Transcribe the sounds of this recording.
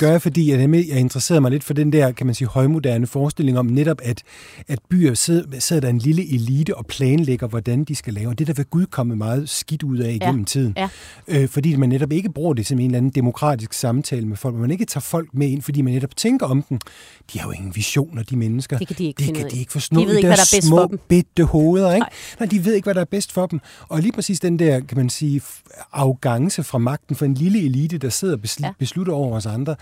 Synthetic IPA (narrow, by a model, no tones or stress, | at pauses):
ɡ̥ɶɐfɒ̽d̥ḭːjdæmejɑ̈ɪe̝nd̥ʁɐse̝̰ːɐmɑ̈ɪle̝d̥fɒ̽d̥end̥æɐ̰kʰæmænsiːhɒ̽ɪmo̝d̥æɐnəfɒːsd̥e̝le̝ŋɒ̽mneɾ̥ɒ̽b̥æd̥ | æd̥̚b̥y̰ːɐsese̝ð̰ˠɐd̥ɑe̝nliləʔe̝liːd̥əɒ̽pʰlɛːnleɡ̥ɐʋɒd̥ænd̥isɡ̥ælɛːʊɒd̥e̝d̥æʋeɡ̥uð̞ˠkʰɒ̽məmɑ̈ːð̞̩ˠsɡ̥id̥uð̞̰ˠɛiɡ̥ḛm̩t͡sʰið̰ˠn̩ | øfɒ̽dḭːmænːeɾɒ̽b̥e̝ɡ̥əb̥ʁuɐ̰d̥e̝se̽me̝ːnlæn̩d̥emo̝kʰʁɑ̰̈ːd̥isɡ̥sɑ̈mt͡sʰɛ̰ːləmefɒ̽l̰ɡɒmæne̝ɡ̥ət͡sʰɑ̰̈ːfɒ̽l̰ɡ̥̚mee̝n̰fɒdḭːmænːeɾ̥ɒ̽b̥t͡sʰeŋɡ̥ɐɒ̽md̥en | d̥iæɐjo̰e̝ŋn̩ʋiɕo̝̰ːnɒd̥imenəsɡ̥ɐdd̥ekʰæ̥ie̝ɡ̥ə̥fɒ̽snɔ̰ːid̥æɐmɔ̰ːb̥ed̥əhoːðˠɐeɡ̥nɑ̈ɪ̰d̥iʋe̝ð̞̰ˠe̝ɡ̥ʋæɾɑ̈æɐb̥esd̥fɒ̽d̥em | ɒ̽liːpʰʁɛsḭːsd̥end̥æɐ̰kʰæmænsiː | ɑ̈ʊɡ̥ɑ̈ŋsəfʁɑ̈mɑ̈ɡ̥̚d̥n̩fɒ̽e̝nliləeliːd̥əd̥ɑ̈se̝ð̞̰ˠɐbb̥e̝sluɾɐɒʊɐɒ̽s̬ɑ̈nd̥ʁɐ